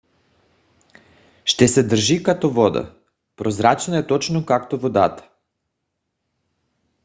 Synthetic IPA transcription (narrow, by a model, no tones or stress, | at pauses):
ʃt̪ɛsɛd̪r̩ʒikat̪ɔvɔd̪a̰ | pɾozɾat͡ʃnaɛt̪ɔt͡ʃnokakt̪ovod̪at̪ə̥